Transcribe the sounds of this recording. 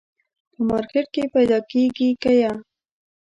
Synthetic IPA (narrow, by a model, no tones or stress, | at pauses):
pəmɑɾkɪʈ̚kepajd̪ɑkeɡikaja